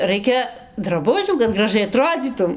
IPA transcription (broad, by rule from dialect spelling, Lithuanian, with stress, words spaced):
ˈrɐɪkʲɛ drɐˈbʊʒʲuː kɐt ɡrɐˈʒɐɪ ɐˈtroːd͡zʲiːtʊm